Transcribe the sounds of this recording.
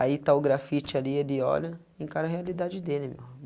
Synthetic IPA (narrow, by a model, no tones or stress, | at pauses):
ait̪aʊɡɾafit͡ʃɪalielɪɔ̰lɐ | ẽkaɾɐɦealid̪ad͡ʒɪd̪elɪmḛw